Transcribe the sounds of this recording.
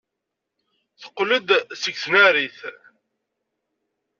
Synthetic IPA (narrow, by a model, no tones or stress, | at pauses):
θə̥qːləd̪səksnæɾiθ